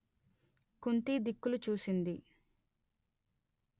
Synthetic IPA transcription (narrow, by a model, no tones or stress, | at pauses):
kunt̪iːd̪ikːulut͡ʃuːsind̪i